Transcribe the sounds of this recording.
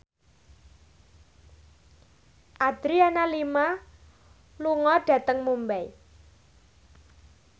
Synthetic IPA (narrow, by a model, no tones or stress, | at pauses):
ʔad̪̥ɾianalima | luŋɔɖ̥ä̤t̪əŋmumbɛi